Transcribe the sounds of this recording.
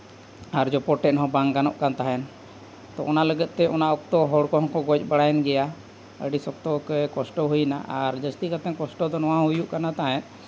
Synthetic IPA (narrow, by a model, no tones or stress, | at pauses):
aɾd͡ʒɔpɔʈɛnɦɔ̃baŋɡɡanɔʔkant̪aɦɛn | t̪ɔʔɔnaləɡət̪̚ˀt̪ɛʔɔnaʔɔk̚t̪ɔɦɔɽkɔɦɔ̃nkɔɡɔt͡ʃbəɽajɛnɡɛja | ə̰ɖisɔk̚t̪ɔkɛkɔsʈɔɦujna̰ʔaɾd͡ʒəst̪ikat̪ɛnkɔsʈɔd̪ɔnɔwãɦujuʔkanat̪aɦɛ̃t̪